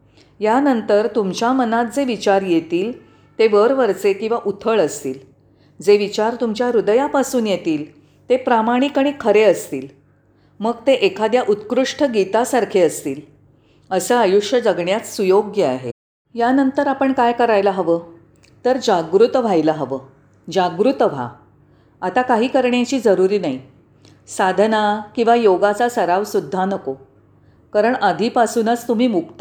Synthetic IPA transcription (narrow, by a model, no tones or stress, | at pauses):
janənt̪əɾt̪umt͡ɕjamənat̪̚d͡zeʋit͡ɕaɾjet̪iːl | t̪eʋəɾʋəɾt͡sekĩw̃ʋaʔut̪ʰəɭəst̪iːl | d͡zeʋit͡ɕaɾt̪umt͡ɕjaɾud̪əjapasuːnjet̪iːl | t̪epɾamaɽ̃ikaɽ̃ikʰəɾeəst̪iːl | məɡ̚t̪eʔekʰad̪jaʔut̪kɾuʂʈʰəɡit̪asaɾkʰeəst̪iːl | əsəajuʂjəd͡zəɡɳjat͡s̪sujoɡjəaɦe | janənt̪əɾapəɳkajkəɾajlaɦəʋəː | t̪əɾd͡ʑaɡɾut̪ʋ̤ʱajlaɦəʋəː | d͡ʑaɡɾut̪ʋ̤ʱa̰ | at̪akaɦiːkəɾɳjat͡ɕiːd͡zəɾuɾiːnai | sad̪ʱnakĩw̃ʋajoɡat͡sasəɾaʋsud̪ʱːanəko | kaɾəɳad̪ʱiːpasuːnət͡st̪um̤iːmukt̪a